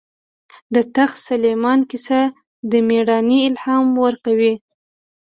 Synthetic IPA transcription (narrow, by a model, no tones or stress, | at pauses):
d̪ət̪axsalemɑnkisa | d̪əmeɽɑniɪlhɑmwəɾkawi